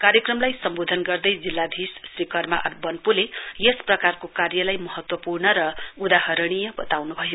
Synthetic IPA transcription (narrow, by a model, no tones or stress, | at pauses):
kaɾjʌkrʌmlajsʌmbod̪ʱʌnɡʌrd̪ʌjd͡zilːad̪ʱissrikʌrma̰ʔʌbʌnpulejesprʌkarkokarjʌlajmʌɦʌt̪wʌpurnʌɾʌud̪aɦʌɾɽ̃ijʌbʌt̪awnubʱʌjo